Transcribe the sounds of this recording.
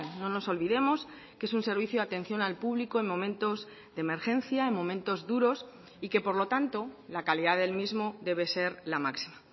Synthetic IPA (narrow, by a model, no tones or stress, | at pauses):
no̞no̞so̞lβiðe̞mo̞s | kee̞sunse̞ɾβ̞iθjoat̪ẽ̞n̟θjo̞nalpuβliko̞e̞nmõ̞mẽnt̪o̞z | deme̞ɾxẽ̞n̟θjaemmo̞mẽ̞nt̪o̞zðuɾo̞s | ike̞po̞ɾlo̞t̪ant̪o̞lakaliðaðe̞lmizmoðe̞β̞e̞se̞ɾlamaksi̥ma